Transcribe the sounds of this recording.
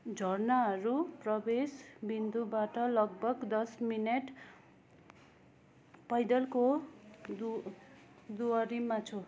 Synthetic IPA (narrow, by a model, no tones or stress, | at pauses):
d͡zʱʌrnaɦʌɾuprʌbesbind̪ubaʈʌlʌɡbʱʌɡd̪ʌsmineʈ | pʌjd̪ʌlkod̪u | d̪uʌɾimat͡sʰo